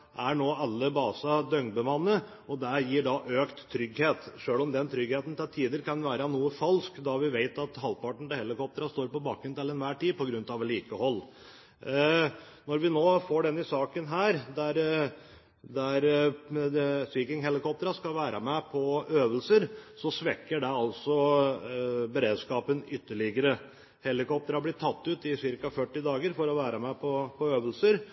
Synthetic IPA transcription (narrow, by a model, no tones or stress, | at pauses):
ʔæɳoːɑlːəbɑːsɑd̪œŋbəmɑnːə | ɔd̪æjiːɖɑʔøːkt̪ʰːɾʏɡheːt̪ʂøːlɔmd̪ɛnt̪ʰɾʏɡheːt̪n̩t̪ʰɪlt̪ʰiːd̪əɾkʰɑnʋæːɾɑnuːəfɑlskd̪ɑʋɪʋeɪt̪ɑt̪hɑlpɑʈɳ̩t̪ɪhɛlɪkɔp̚t̪əɾɑst̪oːɾpɔbɑːkɾʉnt̪ɪlɛnʋæːʈiːpʰɔɡɾʉnt̪ɑʋliːkəhɔlː | nɔɾʋɪnoːfoɖɛnːɪsɑːkənɦæːɾd̪æɾ | d̪æɾ | sʋiːkɪŋɦɛlɪkɔp̚t̪əɾɑskɑlʋæːɾʔɑ̰mɛpʰɔøːʋəlsəɾsɔsʋɛkːəɖɛɑlsɔ | bəɾeːd̪skɑːpənʏt̪ːəɭɪɡəɾə | hɛlɪkɔpt̪əɾɑblɪʈʰɑt̪ːʉːt̪ɪsɪɾkɑfœʈːɪd̪ɑːɡəɾfɔɾɔʋæːɾɑmɛpʰɔpʰɔøːʋəlsəɾ